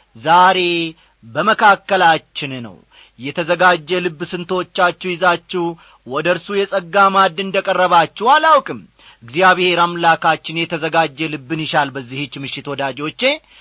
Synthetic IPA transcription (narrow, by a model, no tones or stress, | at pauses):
zaɾe̞ | bəməkʰakːəlat͡ʃːɪnnə̰w | jɛt̪ʰəzəɡad͡ʒːɛlɨbːsɨnt̪ʰot͡ʃːat͡ʃːɛwjɪzat͡ʃːɛw | wɔd̪əɾsujɛsʼəɡːamad̪ɨnd̪əkʼərːəβat͡ʃːɛhwalawkʼɨm | ʔɨɡzijaβɪhe̞ɾamlakat͡ʃːɪnjɛt̪ʰəzəɡad͡ʒːɛlɨbːɨnjɪʃalbəzːihɨt͡ʃːmɨʃːɪt̪wɔd̪ad͡ʒo̞t͡ʃːe̞